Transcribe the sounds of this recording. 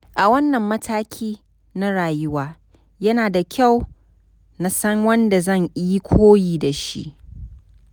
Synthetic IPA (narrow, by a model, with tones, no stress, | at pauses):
ʔa˨wɐ˦nːɐ˨mːɐ˦tʰaː˦kʲʰiː˦ | na˦ɽaː˨jʊ˦waː˦ | jɐ˦naː˨da˨kʲʰa˦˨w | na˨sɐ˦ŋwɐ˦nda˨zɐ˦˨ŋʔɪ˦ji˦kʷʰoː˦jiː˨da˨ʃḭ˦ʔ